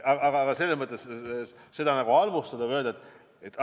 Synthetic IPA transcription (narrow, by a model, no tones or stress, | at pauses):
ɑɑɡɑɡ̥ɑse̞lːesmɤt̪ːˑesse̞d̪ɑnɑɡuɑlmust̪ɑd̪ɑø̞ld̪ɑet̪ːˑ | et̪ːˑ